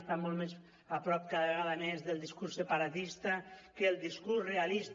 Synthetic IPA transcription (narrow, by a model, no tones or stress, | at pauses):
st̪amɔlˠmez | apɾɔp̚kaðəβeɣaðamezðəlˠd̪iskursəpaɾat̪ist̪akəːlˠd̪iskursrealist̪